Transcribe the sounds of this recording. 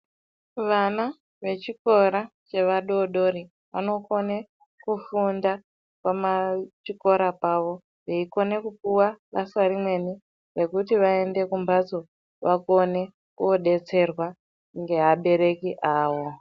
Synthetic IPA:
ʋana | ʋe̞t͡ʃiko̞ɾat͡ʃe̞ʋaɗoɗo̞ɾi | ʋa̰no̞ko̞ne | kufunda | kwamat͡ʃiko̞ɾapaːʋo̞ | ʋeiko̞ne̞kup̚uwaʋasaɾimwe̞ni | re̞kutiʋae̞nde̞kumbad͡zo̞ | ʋakone̞ | kuoɗe̞t͡se̞rwa | ŋɡe̞ɦaɓe̞ɾe̞kiʔaːwo̞

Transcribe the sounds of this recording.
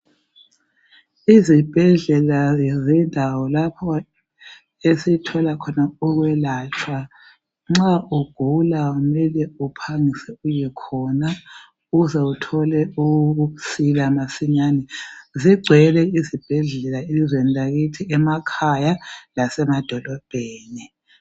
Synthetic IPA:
izib̥ʱɛɮɛlazɛndʱawɔlapʰɔ | esitʰɔlakʰɔnauɣwɛlat͡ʃʰwa | ŋ͡ǁaʔuɡ̥ʱulaumɛlɛupʰaŋisɛujɛkʰɔna | uɣuzɛutʰɔlɛuusilamasiɲanɛziɡ͡ǀʱɛlɛizib̥ʱɛɮɛlaelizweniaɣitʰiʔɛmakʰajalasɛmad̥ʱɔlɔb̥ʱeːni

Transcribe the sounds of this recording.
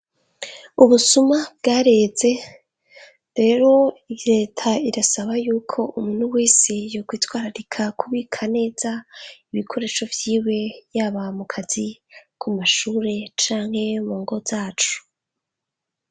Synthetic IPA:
uβusumabɡaːɾe̞ːze̞ | ɾe̞ːɾo̞ɾe̞ːtʰaiɾasaβajuːkʰo̞ʔumuːn̥huwiːsijokwiːtwaːɾaɾikʰakʰuβikʰane̞ːz̥aiβikʰo̞ɾe̞ːʃo̞vjiːwe̞jaːβamukʰazikʰumaʃuːɾe̞t͡ʃaːŋ̥he̞muːŋɡo̞z̥aːt͡ʃu̥

